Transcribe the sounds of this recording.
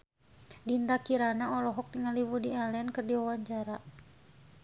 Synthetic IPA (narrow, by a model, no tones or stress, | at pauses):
dind̪akiɾanaɔlɔɦɔk̚t̪iŋaliwudialɛnkərdiwawaɲt͡ʃaɾa